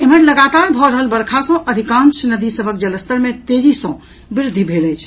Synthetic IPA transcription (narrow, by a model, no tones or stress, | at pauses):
emənləɡat̪aɾbʱɔɾəɦəlbəɾkʰasə̃ʔəd̪ʱikãnsnəd̪isəbʱək̚d͡ʒələst̪əɾmet̪eɾisɔ̃ | biɾd̪ʱːibʱeləjt͡ʃʰ